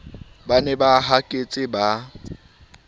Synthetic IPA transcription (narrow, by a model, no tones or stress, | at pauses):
banɛbaɦakʼet͡sʼɪba